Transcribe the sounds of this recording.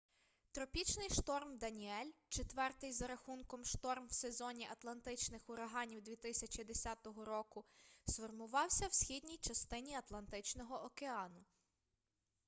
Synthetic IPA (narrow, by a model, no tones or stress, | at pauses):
t̪ɾɔpʲit͡ʃnɪjʃt̪ɔrmd̪ɐnʲiɛlʲt͡ʃet̪ʋɛrt̪ɪjzɐɾɐxunkɔmʃt̪ɔrmwsezɔnʲiʔɐt̪lˠɐnt̪ɪt͡ʃnɪxʊɾɐɦɑnʲiwd̪ʲʋʲit̪ɪsʲɐt͡ʃid̪esʲɑt̪ɔɦɔɾɔkʊsfɔrmʊʋɑwsʲɐwsʲxʲid̪ʲnʲijt͡ʃɐst̪ɪnʲiɐt̪lˠɐnt̪ɪt͡ʃnɔɦɔʔɔkeɑnʊ